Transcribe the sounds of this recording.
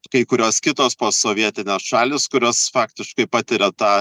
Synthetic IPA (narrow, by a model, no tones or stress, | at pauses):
kɐɪkʊɾʲoːskʲɪt̪oːspoːsoːʋʲiɛt̪ʲɪnʲeːsʃɑːlʲɪskʊɾʲoːsfɑːkt̪ʲɪʃkɐɪpɑːt̪ʲɪɾʲɛt̪ɑː